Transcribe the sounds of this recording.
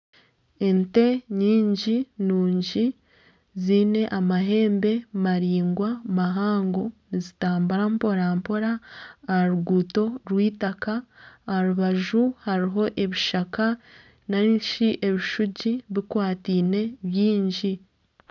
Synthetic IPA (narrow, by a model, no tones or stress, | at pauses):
e̞nte̞ɲiːɲɟinuːɲɟi | ziːne̞ʔamaɦe̞ːmbe̞maɾiːŋɡwamaɦaːŋɡo̞nizitaːmbaɾampo̞ɾampo̞ɾaːhaɾuɡuːto̞ɾwiːtakaːhaɾuβaʒuhaɾiɦo̞ʔe̞βiʃaka | naʃiʔe̞βiʃuɟiβikwaːtiːne̞βjiːɲɟi